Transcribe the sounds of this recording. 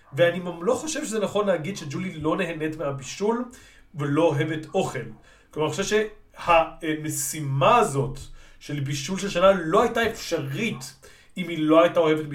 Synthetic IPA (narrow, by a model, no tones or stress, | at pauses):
veanimamlo̞χo̞ʃevʃezenaχo̞nleaɡid̪ʃe̞d͡ʒulilo̞neɦene̞tmeabiʃul | velo̞oɦe̞veto̞χe̞l | klomaʁoʃvʃe̞ | hamesimaːzo̞t | ʃe̞lbiʃulʃelʃanalo̞ajtaefʃaʁit | imhilo̞ajtao̞he̞vetb